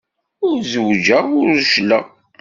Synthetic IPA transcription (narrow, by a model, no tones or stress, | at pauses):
ʊɾzəwd͡ʒəʁʊɾʃləʁ